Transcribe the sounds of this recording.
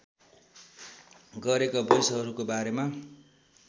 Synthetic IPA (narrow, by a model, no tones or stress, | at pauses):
ɡʌɾekabʌjsɦʌɾukobaɾema